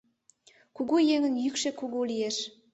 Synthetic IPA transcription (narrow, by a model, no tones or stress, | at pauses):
kuɡujeŋə̆njykʃekuɡulijeʃ